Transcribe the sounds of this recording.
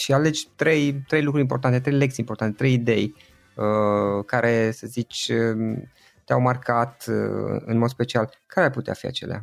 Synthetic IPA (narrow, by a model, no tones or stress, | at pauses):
ʃiale̞d͡ʒʲt̪ɾe̞jt̪ɾe̞jlukɾuɾʲimpo̞rt̪ant̪et̪ɾejlektseimport̪ant̪et̪ɾe̞jid̪e̞j | əkaɾe̞səzit͡ʃʲə | t̪ea̰wmarkat̪ɨ̰ɨ̰nmo̞d̪spe̞t͡ʃialkaɾeaɾput̪ea̰fḭa̰t͡ʃe̞lea̰